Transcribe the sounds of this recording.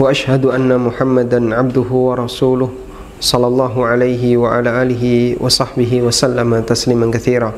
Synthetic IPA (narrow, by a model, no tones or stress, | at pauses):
waʔaʃhad̪ʔanːamʊħamːad̪anʕab̚d̪ʊɦʊwɑɾˤɑsuːlʊh | sˤɑlːɑlˤːɑːɦʊʕalajɦɪwaʕa̰laːʔaːlɪɦɪwʔɑ̰sˤɑħbɪɦɪwasalːamat̪asliːmankaθiːɾaː